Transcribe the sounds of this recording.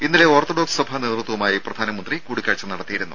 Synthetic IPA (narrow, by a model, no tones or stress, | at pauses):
inːileo̞ːrt̪oɖoːkssɐbʱaneːt̪rɨt̪ːɐʋumaːjiprɐd̪ʱaːnɐmɐnd̪rikuːɽikʲːaːɻt͡ɕːɐnɐɽɐt̪ːijiɾunːu